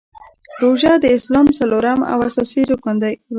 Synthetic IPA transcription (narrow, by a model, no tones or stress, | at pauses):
ɾoʒad̪əɪslɑmt͡saloɾama̰wa̰sɑsiɾokand̪aj